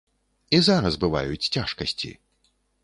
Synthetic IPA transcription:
izaɾɐsbɨva̰jut͡sʲt͡sʲaʂkɐsʲt͡sʲḭ

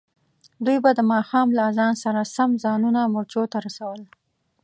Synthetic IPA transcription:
d̪ujbad̪əmɑxɑmlazɑnsaɾasamzɑnunamʊɾt͡ʃot̪aɾasawəl

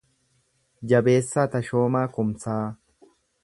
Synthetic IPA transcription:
d͡ʒɐbe̞ːsːaːt̪ɐʃo̞ːmaːkʊmsaː

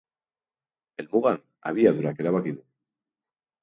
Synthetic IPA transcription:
elmuɣan | a̰βiaðuɾakeɾaβakiðu

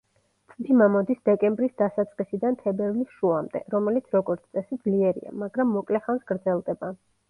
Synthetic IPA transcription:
t̪ʼd̪imamɔd̪isd̪ɛkʼɛmbɾisd̪asat̪sʼqʼisid̪ant̪ʰɛbɛɾvlisʃuamd̪ɛ̰ɾɔmɛlit̪sʰɾɔɡɔɾt̪sʰt̪ʼɛsid̪zliɛɾḭa̰maɡɾamːɔkʼlɛχansɡ̥ɾd̪zɛlˠd̪ɛba

